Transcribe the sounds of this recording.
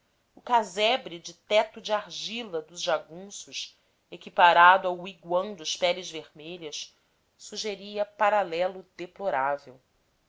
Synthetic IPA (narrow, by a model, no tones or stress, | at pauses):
ʊkazɛbɾid͡ʒɪt̪ɛt̪ʊd͡ʒɪaɾʒilɐd̪ʊzʒaɡũsʊʃ | ekipaɾad̪ʊawiɡwɐ̃w̃d̪ʊʃpɛlɪzveɾmeʎɐs | suʒeɾiɐpaɾalɛlʊd̪eploɾavḛw